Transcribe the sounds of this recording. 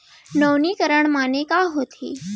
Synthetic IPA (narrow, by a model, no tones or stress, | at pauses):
nəwniːkəɾəɳmanekaɦot̪ʰḭ